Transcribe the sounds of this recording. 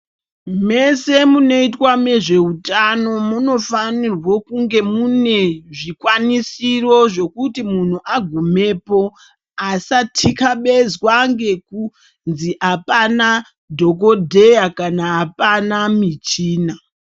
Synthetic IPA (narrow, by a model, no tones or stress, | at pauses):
me̞se̞muno̞itwame̞ʐe̞utano̞muno̞fanirwokuŋɡe̞mune̞ʐikwanisiro̞ʐe̞kutimun̤uʔaɡʱume̞po̞ | asatʰikaɓe̞zwaŋɡe̞ku | nziʔapana | dʱo̞k̬o̞dʱejakanaɦːpanamit͡ʃiːna